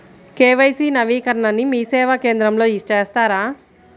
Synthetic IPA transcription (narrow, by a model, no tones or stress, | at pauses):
keːʋɐjsiːnɐʋiːkɐɾɐɳɐnimiːsɛːʋakeːnd̪ɾɐmlo̞ːiʂʈeːst̪aːɾaː